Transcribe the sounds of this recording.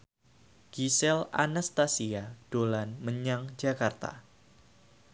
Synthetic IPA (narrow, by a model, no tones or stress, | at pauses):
ɡ̥isɛla̰nast̪asiad̥olanməɲaŋd͡ʒakart̪a̰